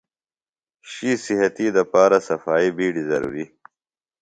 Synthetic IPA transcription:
ʃisɪɦɐt̪id̪ɐpaːɾasɐfaːibiːɖizɐɾṵːɾi

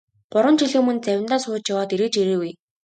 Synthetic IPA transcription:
ɢ̥ʊɾwə̆nt͡ɕʰiɮɘːmɵnt͡sæwʲɪ̆nt̪aːsʊːt͡ɕjawaːt̪iɾeːt͡ɕiɾeːwuj

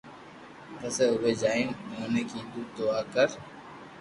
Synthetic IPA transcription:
ɾəseːʊbeːd͡ʒaːĩːnɦoːneːkiːd̪uːd̪̚d̪ʊaːkəɾ

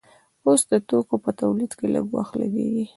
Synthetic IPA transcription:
osd̪ət̪okopət̪awlid̪kelə̰ɡwa̰xt̪laɡḛɡi

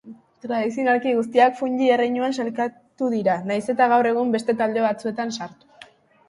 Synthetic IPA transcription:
t̪ɾaðisionaɾkiɣus̬t̪iakfuɲd͡ʒierejɲuansalka | t̪uðiɾanajse̞t̪aɣ̞awre̞ɣ̞umbe̞st̪e̞t̪ald̪e̞βat͡sue̞t̪ansaɾt̪u̥

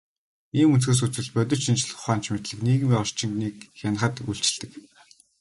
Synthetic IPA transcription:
iːmunt͡sɡeːs̬ut͡sɘ̆ɮpœt̪̬ʲɞ̆t͡ɕʃint͡ɕ̆ɮ̆χʊ̥χaːn̥t͡ɕmet̪ɮɘ̆kniːɣɘ̆mʲɔr̥t͡ɕɪ̆ŋniːk̚xʲan̆χə̆t̪uɬt͡ɕɪ̆ɮt̪ɘ̆k

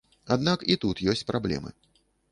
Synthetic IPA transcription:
ad̪nakit̪ut̪jɔsʲt͡sʲpɾablʲɛ̰mɨ̰

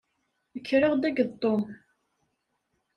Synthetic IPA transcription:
əkːɾəʁd̪æɡəðt̪ˤːom

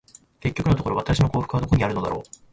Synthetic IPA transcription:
ke̞kʲːo̞kɯ̟not̪okoɾo̞βat̪aɕino̞ko̞ːɸɯ̟̥kɯ̟βad̪o̞ko̞ɲ̟iaɾɯ̟no̞d̪a̰ɾo̞̰ː

